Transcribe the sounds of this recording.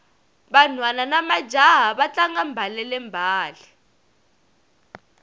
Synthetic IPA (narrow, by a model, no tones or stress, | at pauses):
ɓanwananamad̥d͡ʒʱaɦaɓat͡ɬaŋambʱalɛlɛmbʱaːlɛ